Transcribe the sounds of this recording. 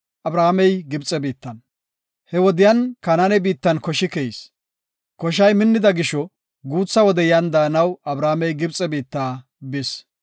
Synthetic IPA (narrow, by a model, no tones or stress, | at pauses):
ʔɐbɾaːmɛjɡɪbt͡sʼɛbiːt̪ːɐn | hɛwɔd̪ɪjɐnkɐnanɛbiːt̪ːɐnkɔʃɪkɛis | kɔʃ̬ɐjmɪnːɪd̪ɐɡɪʃɔ | ɡuːt͡sːɐwɔd̪ɛjɐnd̪aːnɐwɐbɾaːmɛjɡɪbt͡sʼːɛbiːt̪ːaː | bɪs